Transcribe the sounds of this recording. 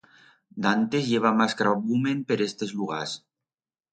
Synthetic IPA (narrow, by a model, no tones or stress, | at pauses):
d̪ant̪ezʎeβ̞amaskɾaβumenpeɾest̪ezluɣa̰s